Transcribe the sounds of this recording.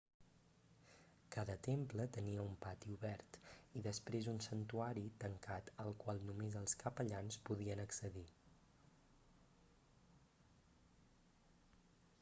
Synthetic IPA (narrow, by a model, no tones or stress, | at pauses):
kaðət̪emplət̪əniəumpat̪iuβɛɾt̪iðəspɾezunsənt̪uaɾit̪əŋkat̪əlˠkwalˠnumezəlˠskəpəʎanspuð̞iənəksəði